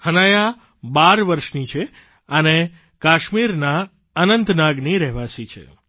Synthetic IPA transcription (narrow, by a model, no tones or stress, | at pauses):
hənaja | baɾʋəɾʃnit͡ʃʰe | əne | kaʃmiɾna | ənənt̪naɡniɾɛɦʋasit͡ʃʰḛ